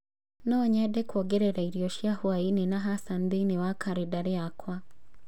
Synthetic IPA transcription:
nɔɲɛdɛkwoɡeɾɛɾaiɾjoʃjahwaininaɦasand̪iniwakʰaɾidaɾeakʰwa

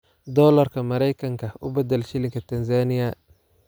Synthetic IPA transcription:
d̪ɔːlɐrkʰɐmɐɾɛjkʰɐŋkʰɐʔʊ̰bɛd̪ɛlʃɪlɪŋkʰɐt̪ʰɐnsaːnɪjɐ

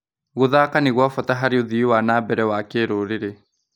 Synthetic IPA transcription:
ɣoðaːkaniɣwafɔtaɦaɾeoðiwanaːbɛɾɛwaːkeːɾoːɾeɾe

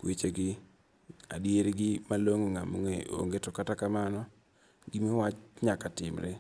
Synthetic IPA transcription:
kwet͡ʃeɡɪ | a̰djeɾɡɪmaloŋoŋamoŋḛʔo̰ŋɡetɔkatakamanɔ | ɡɪmewat͡ʃɲakatɪmɾe

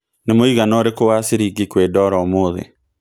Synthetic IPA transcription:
nemoiɣanɔɾekowaseɾiɡikwedɔɾaɔmoːðḛ

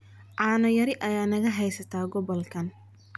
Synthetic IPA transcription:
ʕaːnɐjɐɾɪʔɐjaːnɐɣɐɦɛjsɐt̪ʰaːɡɔβɔlkʰɐn

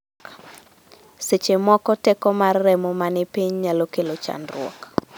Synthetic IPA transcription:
set͡ʃemɔkɔtɛkɔmarːɛmɔmanɪpiɲɲalokelot͡ʃa̰nrʊɔ̰k

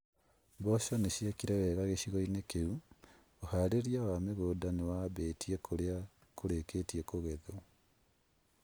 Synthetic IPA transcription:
bɔʃɔneɕiɛkiɾɛwɛːɣaɣeɕiɣɔinekeu | ohaɾeɾijawameɣoːdanewaβetʰiɛkʰoɾea | koɾeketiɛkoɣɛðo

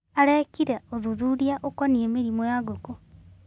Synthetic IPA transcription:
aɾɛkiɾɛoðuðuɾijaʔokɔniemeɾimojaɡoko

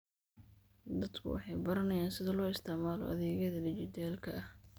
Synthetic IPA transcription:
d̪ɐd̪kʰʊ̰wɑ̰ħɑjbɐɾɐnɐjaːnsɪðɐlɔːɪst̪ʰɪʕmaːlɔ̰ʔɐ̰ðɛːɣɐðɐlɪd͡ʒɪt̪ʰaːlkʰɐʔɐh

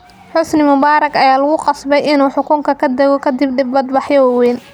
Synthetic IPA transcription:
ħʊsnɪmʊbaːɾɐɡɐjaːlɐɣʊqɑsbɛjɪnuːħʊkʰʊŋkʰɐkʰɐd̪ɐɣɔkʰɐd̪ɪbɖɪbːɐd̪bɑħjɔwɑwɛːn

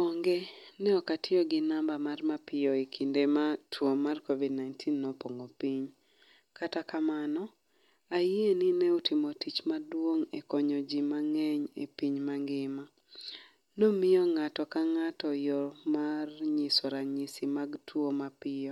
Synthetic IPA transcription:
ɔŋɡɛnɛɔkatʰɪɔɡɪnambamarmapɪjɔikʰindematʰwomarkovidnajntʰinːopoŋɡopiɲ | katakamanɔ | aieninɛutimotit͡ʃmadwoŋekɔɲɔd͡ʒimaŋɛɲḛpiɲmaŋɡɪma | nomɪjɔŋatɔkaŋatɔjɔmarɲɪsɔɾaɲisimaɡtʰwomapɪjɔ

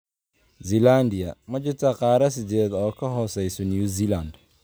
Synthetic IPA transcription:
ziland̪ɪjɐmɐt͡ʃʊt̪ʰɐqɑːɾɐs̬ɪd͡ʒɛːd̪ɔːkʰɐɦɔːsɛjsɔniuziland̪

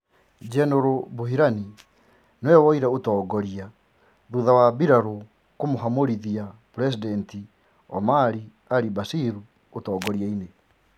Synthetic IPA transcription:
d͡ʒɛnoɾoboɦiɾani | nwɛwɔiɾaotɔːɡɔɾia | ðuðawabiɾaɾo | komoɦamoɾiðiapɾɛs̬idɛnti | ɔmaɾi | aɾibasiɾu | otɔːɡɔɾiaine

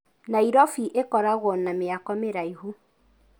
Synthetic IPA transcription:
naiɾɔfiʔekɔɾaɣwɔnameakɔmeɾaiɦo

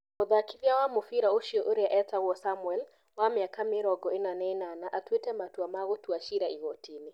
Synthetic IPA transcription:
oðakiðjawamofiɾaoʃiɔʔoɾeaʔɛtaɣwɔsamuɛl | wamɪakamɪɾɔɡɔenanɛnanaʔatwetɛmatuamaɣotuaʃiɾaiɣɔtʰinɪ

